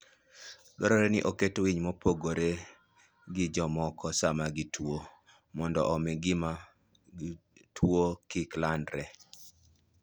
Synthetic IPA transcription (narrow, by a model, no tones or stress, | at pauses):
ɡɔɾɔɾenɪʔoketwiɲmɔpoɡoɾe | ɡɪd͡ʒɔmɔkɔsamaɡɪtwo | mɔndɔʔɔmɪɡɪma | tʰwokɪklandɾɛ